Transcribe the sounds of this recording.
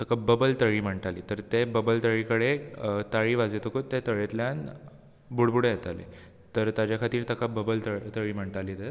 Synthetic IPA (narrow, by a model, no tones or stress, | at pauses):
t̪əkabəbəlt̪əɭiːm̤əɳʈaliːt̪əɾt̪ebəbəlt̪əɭikəɽet̪aɭiːʋad͡zet̪əkot̪ːet̪əɭet̪ljan | buɽbuɽejet̪alḛ | t̪əɾt̪jad͡ʑjakʰat̪iːɾt̪əkabəbəlt̪ət̪əɭiːm̤əɳʈaliːt̪e